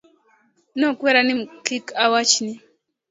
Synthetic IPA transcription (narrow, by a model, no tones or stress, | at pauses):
nɔkwɛɾanim̩kikawat͡ʃni